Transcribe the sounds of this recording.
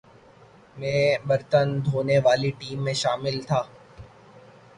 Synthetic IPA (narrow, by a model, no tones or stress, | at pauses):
mɛ̃ːbɐɾt̪ənd̪ʱoːneʋaːliʈiːmːẽʃaːmɪlt̪ʰaː